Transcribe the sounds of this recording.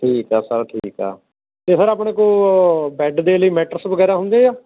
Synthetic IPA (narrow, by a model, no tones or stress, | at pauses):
ʈʰiːkɛːsəɾʈʰiːkɛ̰ː | t̪eːsəɾaːp̬ɳeːkoːbɛːɖd̪eːləiːmɛːʈəɾsbəɡɛːɾaːɦʊ̃nd̪eːaː